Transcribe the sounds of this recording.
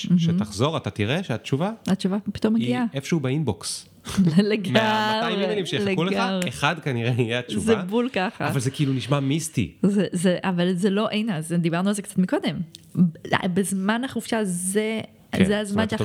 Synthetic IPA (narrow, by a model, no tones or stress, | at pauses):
m̩ʃemtaχzo̞ʁat̪at̪iʁeʃeat͡ʃuvaatt͡ʃuvapi̥t̪o̞mːeɡiaefʃeubeinboks | leɡmaajmieelimʃilekulɡaʁeχadkaniʁeijeat͡ʃuzebulkaχa̰avalzekiiluniʃmamistḭzezeʔavalzelo̞ʔejnazd̪ibaʁnualzekt͡sat̪miko̞d̪e̞m̰ | bezmanaχufʃaze | zeazmanʃe